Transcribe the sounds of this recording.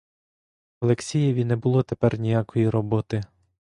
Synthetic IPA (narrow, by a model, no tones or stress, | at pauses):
ɐlˠeksʲijeʋʲinɛbʊlˠɔt̪epɛrnʲijakɔjiɾɔbɔt̪ɪ